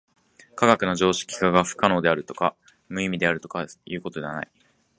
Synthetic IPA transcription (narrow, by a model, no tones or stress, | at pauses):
kaɡakɯ̟noʑo̞ːɕi̥kʲi̥kaɡaɸɯ̟̥kano̞ːd̪e̞aɾɯ̟t̪o̞ka | mɯ̟imʲid̪e̞aɾɯ̟t̪o̞kajɯ̟ːko̞t̪o̞d̪e̞βana̰i